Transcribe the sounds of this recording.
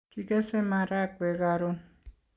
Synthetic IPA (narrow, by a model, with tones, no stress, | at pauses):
ki˦ke˦se˦ma˨ɾa˦kʷe˨ɣa˨ɾo˦n